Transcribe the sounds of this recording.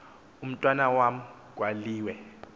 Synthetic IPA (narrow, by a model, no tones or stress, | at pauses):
um̩tʼwanawam̩ | ɡ̥waliːwɛ